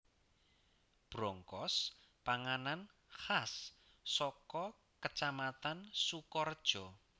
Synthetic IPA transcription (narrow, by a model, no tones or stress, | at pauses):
b̥ɾɔŋkɔspaŋanan | xasː | ɔkɔ | kət͡ʃamat̪ansukɔrd̥ʒ̥ɔ